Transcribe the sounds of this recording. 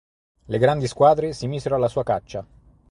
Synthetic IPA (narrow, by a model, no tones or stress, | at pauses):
leɡɾand̪iskwaːd̪ɾesimiːzeɾoalːasuːakat͡ʃːa